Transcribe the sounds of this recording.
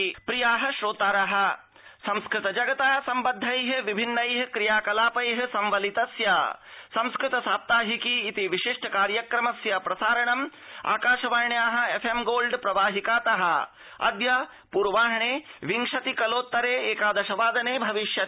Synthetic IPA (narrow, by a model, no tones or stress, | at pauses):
pɾijaːɦɐʃɾoːt̪aːɾɐɦɐ̆ | sɐ̃mskɾɪt̪ɐd͡ʒɐɡɐt̪aːsɐmbɐd̪ʱːɐjɦʋibʱinːɐjɦɐkɾijaːkɐlaːpɐjɦɐsɐmʋɐlit̪ɐsjɐsɐ̃mskɾɪt̪ɐsaːp̚t̪aːɦikiːt̪iʋiʃiʂʈɐkaːɾjɐkɾɐmɐsjɐpɾɐsaːɾɐɳɐm | a̰ːkaːʃɐʋɐɾɳjaːɦɐ̆efʰemɡoːlɖpɾɐʋaːɦikaːt̪ɐɦɐ̰̆ | ɐ̰d̪jɐ | puːɾʋaːɦɐɳeːʋiŋʂɐt̪ikɐloːt̪ːɐɾeːeːkaːd̪ɐʃɐʋaːd̪ɐneːbʱɐʋiʃjɐt̪